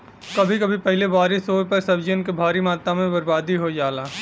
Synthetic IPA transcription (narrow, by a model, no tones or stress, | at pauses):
kɐbʱikɐbʱipɛɦleʋaːɾɪsoːpɐɾsɐbd͡ʒənkebʱaːɾimaːt̪amẽbɐɾbaːd̪iɦojaːlaː